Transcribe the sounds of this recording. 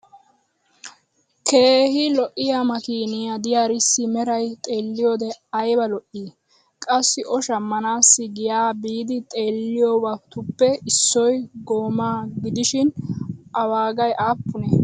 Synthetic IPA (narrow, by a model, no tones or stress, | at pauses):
kʰe̞ːhɪlɔʔɪjamɐkiːnɪjad̪ɪjaɾɪsːɪmɛɾɐjt̪ʼe̞ːlːɪjoːd̪ɛɐjbɐlɔʔiː | kʼɐsːɪʔɔʃɐmːɐnaːsːɪɡɪjaːbiːd̪ɪt̪ʼe̞ːlːɪjɔbat̪ʊpːɛɪsːɔjɡoːmaːɡɪd̪ɪʃɪnʔɐwaːɡɐjʔaːpːʊnɛ